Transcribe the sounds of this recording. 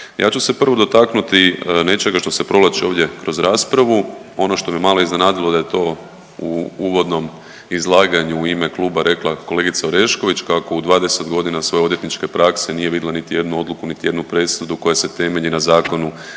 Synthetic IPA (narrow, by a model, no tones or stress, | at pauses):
jʔa̰ːt͡ʃuse̞pr̩ʋo̞d̪o̞t̪aknut̪inet͡ʃe̞ɡaʃt̪o̞se̞pɾo̞lat͡ʃio̞ːʋd̪je̞kɾo̞zɾaːspɾaʋuo̞no̞ʃt̪o̞mijemaːlo̞iznenaːd̪ilˠo̞d̪aje̞t̪o̞ | uuʋo̞d̪no̞m | izlˠaːɡaɲuːime̞kluːbaɾe̞klˠako̞le̞ɡit̪saoɾe̞ʃko̞ʋit͡ʃkako̞ud̪ʋaːd̪ese̞t̪ɡo̞d̪inasʋo̞jeod̪je̞t̪nit͡ʃke̞pɾakse̞nije̞ʋid̪ilˠanit̪ije̞d̪nuo̞d̪lukunit̪ije̞d̪nupɾe̞sud̪uko̞jase̞t̪e̞me̞ʎinazaːko̞nu